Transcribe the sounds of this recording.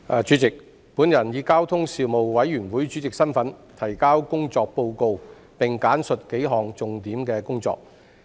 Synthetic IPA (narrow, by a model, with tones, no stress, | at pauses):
aː˨˧t͡ʃyː˨˥t͡sɪ˨k̚ | puː˨˥njɐ˨˩njiː˨˧kaː˥wt̪ʰʊ˥ŋsiː˧wmo˨wwɐ˨˥jːyː˨˩nwuː˨˥jt͡ʃy˨˥t͡sɪ˨k̚sɐ˥nfɐ˨˥nt̪ʰɐ˨˩jkaː˥wkʊ˥ŋt͡sɔː˧k̚po˧wko˧w | pɪ˨˩ŋkaː˨˥nsɵ˨t̚ke˨˥jɦɔː˨ŋt͡sʊ˨ŋt̪iː˨˥mkɛː˧kʊ˥ŋt͡sɔ̰ː˧k̚